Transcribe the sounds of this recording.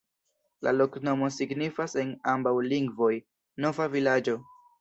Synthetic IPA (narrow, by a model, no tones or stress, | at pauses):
lʔa̰lo̞kno̞mo̞siɡnifase̞nambawliŋɡvo̞j | no̞vavilad͡ʒo̞